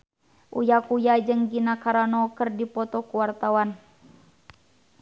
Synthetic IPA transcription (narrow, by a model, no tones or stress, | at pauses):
ʔṵjakujad͡ʒɨŋɡinakaɾanɔkərdipɔt̪ɔkuwart̪awan